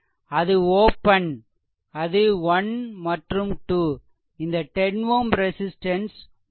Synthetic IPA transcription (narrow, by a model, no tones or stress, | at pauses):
ɐðɯoːpɐn | ɐðɯʋɐnmɐʈrɯmʈuː | ɪnd̪ɐʈɛnʋoːmɾɛsɪsʈɐns